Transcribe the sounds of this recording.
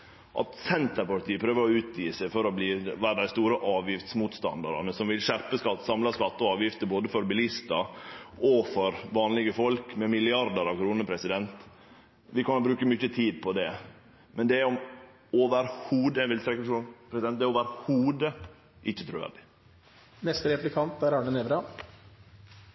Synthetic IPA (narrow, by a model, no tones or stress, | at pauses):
ʔɑ̰t̪sɛnt̪əɾpɑʈʰiːəpʰɾøːʋəɾɔʉːt̪ʰjiːsæɪfɔɾɔbliːʋæːɾəd̪æɪst̪uːɾəʔɑːʋjɪft̪smuːt̪st̪ɑ̰nd̪ɑɾɑ̰nəsɔmʋɪlʃæɾpəskɑt̪ːsɑmlɑskɑt̪ːɔɑːʋjɪft̪əboːd̪əfɔɾbɪlɪst̪ɑɔfɔɾʋɑːnlɪɡəfɔlkmɛmɪlɪɑɾd̪əɾɑʋkʰɾuːnəɾpʰɾɛsɪd̪ɛnt̪ | ʋɪkʰɑnbɾʉːkəmʏçət̪ʰiːd̪̚pʰɔd̪ɛ | mʔɛnd̪ɛæɾɔm | oːʋəɾhuːd̪əɛʋɪlt̪ʰɾɛkːəpʂuːnpʰɾɛsɪd̪ɛnd̪ɛæoʋæɾhuːd̪ə | ʔɪçːət̪ʰɾʉːʋæ̰ɾɖɪ | nɛst̪əɾɛplɪkʰɑnt̪æɾɑɳəneːʋɾɑ